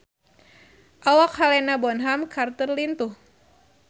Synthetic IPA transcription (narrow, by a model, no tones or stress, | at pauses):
ʔawakhalɛnabɔnɦamkart̪ərlint̪uh